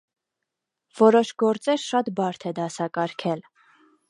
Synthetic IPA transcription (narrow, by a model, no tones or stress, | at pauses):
v̥ɔɾɔʃɡɔɾt͡sɛɾʃɑt̪bɑɾt̪ʰɛd̪ɑsɑkɑɾkʰɛl